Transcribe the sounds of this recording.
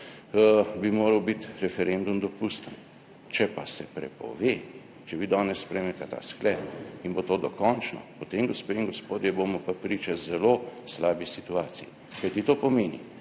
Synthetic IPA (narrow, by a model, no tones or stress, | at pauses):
bimoːɾəwbit̪ɾɛfɛɾɛnd̪umd̪ɔpust̪ən | t͡ʃɛpasɛpɾɛ̰pɔ̰ʋe | t͡ʃɛʋid̪ɔːnɛssːpɾɛjmnɛt̪ɛt̪a̰ːsklɛːpinbot̪oːd̪ɔkɔnt͡ʃnɔ̰pɔt̪emɡɔspeːiŋɡɔspoːd̪jɛboːmɔpapɾiːt͡ʃɛzɛloːslaːbisit̪uaːt̪siji | kajt̪it̪oːpɔmeːnḭ